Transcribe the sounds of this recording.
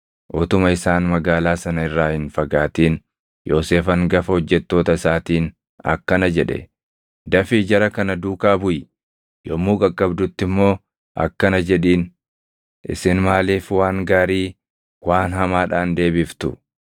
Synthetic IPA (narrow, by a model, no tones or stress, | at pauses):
ʔɔt̪ʊmɐɪsaːnmɐɡaːlaːsɐnɐɪrːaːhɪnfɐɡaːt̪iːn | jo̞ːseːfɐŋɡɐfɐhɔd͡ʒːɛt̪ːo̞ːt̪ɐɪsaːt̪iːn | ɐ̰kːɐnɐd͡ʒɛᶑɛ̰ | d̪ɐfɪd͡ʒɐɾɐkɐnɐd̪uːkaːbʊj | jomːuːkʼɐkʼːɐbd̪ʊt̪ːɪmːo̞ː | ʔɐ̰kːɐnɐd͡ʒɛᶑiːn | ʔɪ̰sɪnmaːliːfwaːŋɡaːɾiː | waːnhɐmaːᶑaːnd̪e̞ːbɪft̪ʊ̰